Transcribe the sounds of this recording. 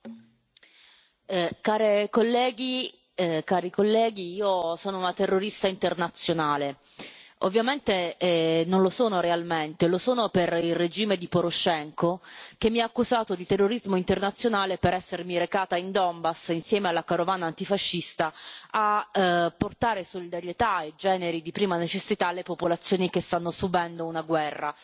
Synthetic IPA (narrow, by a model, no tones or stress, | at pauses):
kaːɾekolːɛːɡi | kaːɾikolːɛːɡiiːosoːnounat̪erːoɾist̪aint̪ernat̪sːjonaːle | o̰vːjament̪enonlosoːnoɾealment̪elosoːnoperilred͡ʒiːmed̪ipoɾoʃːɛŋkok̟emːiaːkːuzaːt̪od̪it̪erːoɾizmoint̪ernat̪sːjonaːlepeɾɛsːermiɾekaːt̪aind̪ɔmbasinsjɛːmealːakaɾovaːnaːnt̪ifaʃːist̪aapːort̪aːɾesolid̪aɾjet̪aed͡ʒɛːneɾid̪ipɾiːmanet͡ʃesːit̪alːepopolat̪sːjoːnikest̪anːosubɛnd̪ounaɡwɛrːa